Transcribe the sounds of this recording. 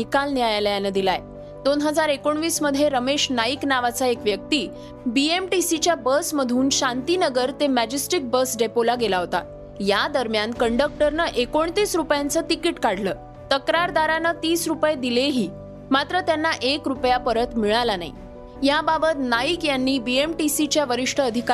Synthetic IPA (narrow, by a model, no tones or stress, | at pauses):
ikalnijajaljanəd̪ilaj | d̪onɦəd͡zaɾekoɳʋiːsməd̪ʱjeɾəmeɕnaiknaʋat͡saekʋjək̚t̪iː | biemʈisit͡ɕjabəsməd̪ʱuːnɕãnt̪inəɡəɾt̪emæd͡ʑisʈik̚bəsɖepolaɡelaɦot̪a | jad̪əɾmjankəɳɖək̚ʈəɾnəʔekoɳ̃t̪iːsɾupjant͡sət̪ikiʈkaɽ̤ləː | t̪əkɾaɾd̪aɾanət̪iːsɾupjed̪ileɦiː | mat̪ɾət̪janːaʔekɾupjapəɾət̪miɭalana̰ḭ | jababət̪naikjanːiːbiemʈisit͡ɕjaʋəɾiʂʈʰəəd̪ʱika